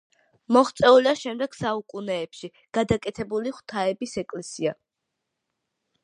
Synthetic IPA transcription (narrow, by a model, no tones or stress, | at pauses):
mɔχt̪sʼɛulaʃɛmd̪ɛɡ̥saukʼunɛːpʃi | ɡ̥ad̪akʼɛt̪ʰɛbuliχwt̪ʰaɛbisɛkʼlɛsia